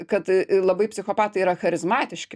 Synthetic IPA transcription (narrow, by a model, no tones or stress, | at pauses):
kɐt̪lˠɐbɐɪpʲsʲɪxoːpɑːt̪ɐɪiɾɐxɐɾʲɪzmɑːt̪ʲɪʃʲkʲɪ